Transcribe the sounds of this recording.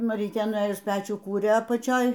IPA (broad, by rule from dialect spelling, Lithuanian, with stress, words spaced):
mɐˈrʲiːtʲeː nʊˈeːjʊs ˈpʲæːt͡ʃʲuː ˈkuːrʲeː ɐpɐˈt͡ʃʲoːj